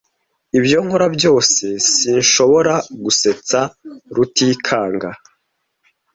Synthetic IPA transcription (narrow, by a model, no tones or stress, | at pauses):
ibjo̞ŋhoɾabjo̞ːse̞siːnʃo̞βo̞ɾaɡuse̞t͡saɾutiːkʰaːŋɡa